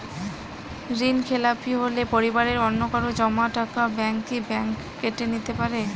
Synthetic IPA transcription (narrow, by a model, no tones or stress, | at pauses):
ɾinkʰelapiɦolepoɾibaɾeɾɔnːokaɾod͡ʑɔmaʈakabɛŋt̪ʰibɛŋk | keʈenit̪epaɾe